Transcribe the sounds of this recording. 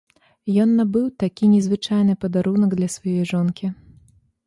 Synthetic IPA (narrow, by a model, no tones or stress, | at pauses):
jɔnːɐbɨwt̪akʲinʲɛzvɨt͡ʂajnɨpɐd̪aɾunɐɡd̪lʲɐsvajɔjʐɔnkʲi